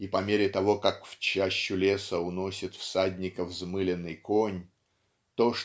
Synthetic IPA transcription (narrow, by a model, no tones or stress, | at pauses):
ipɐmʲeɾʲɪt̪ɐvo̞kakft͡ɕaɕːʊlʲe̞səʊno̞sʲɪt̪fsad̪ʲnʲɪkəvzmɨlʲɪnːɨjkonʲ | t̪oʂ